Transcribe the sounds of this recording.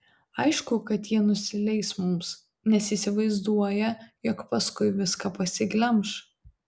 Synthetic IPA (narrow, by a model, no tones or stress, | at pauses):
ɐɪʃkʊkɐt̪jiɛnʊsʲɪlʲɛɪsmʊms | nʲɛsiːsʲɪʋɐɪzd̪uɔjɛjɔkpɐskʊɪʋʲɪskɐpɐsʲɪɡlʲɛmʃ